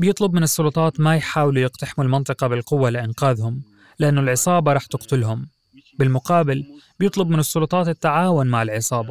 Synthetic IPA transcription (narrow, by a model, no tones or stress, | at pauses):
bjɪt̪ˤlʊbmɪnɨsˤːʊlʊt̪ˤɑːt̪majħaːwlujɪqt̪aħɪmulmɑnt̪ˤɨqɑbɪlqʊwːalɪʔɪnqaːðhʊm | lɪʔanːʊlʕɪsˤɑːbɑɾˤɑːħt̪ɪqt̪ʊlɦʊm | bɪlmʊqɑːbɪlbjɪt̪ˤlʊbmɪnɨsˤːʊlʊt̪ˤɑːt̪ɪt̪ːaʕaːwʊnmaʕɪlʕɪsˤɑːbɑ